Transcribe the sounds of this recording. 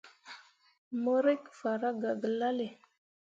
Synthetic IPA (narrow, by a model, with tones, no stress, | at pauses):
mo˦ɾe˦kfa˨ɾa˦ɡa˨ɡə˨la˦le˨